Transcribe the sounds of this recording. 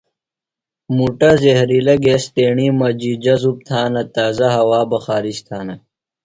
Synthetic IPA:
muʈɐzehɾilɐɡesʈeːɳiːmɐd͡ʑid͡ʑɐzup̚t̪ʰaːnɐt̪aːzɐɦɐwaːbɐxaːɾiɕt̪ʰaːnɐ

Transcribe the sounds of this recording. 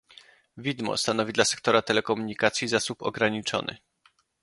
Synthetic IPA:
vʲid̪mɔ̰st̪anɔvʲid̪lasɛ̥k̚t̪ɔɾat̪ɛlɛkɔmuɲikat̪sʲjizasupɔ̰ɡɾaɲit͡ʂɔ̰nɘ̰

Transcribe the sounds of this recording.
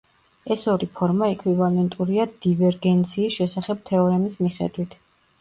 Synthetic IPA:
ɛsɔɾipʰɔɾmaɛkʰwivalɛnt̪ʼuɾiad̪̥ivɛɾɡɛnt̪sʰiːsʃɛsaχɛb̥̚t̪ʰɛɔɾɛmismiχɛ̰d̪wit̪ʰ

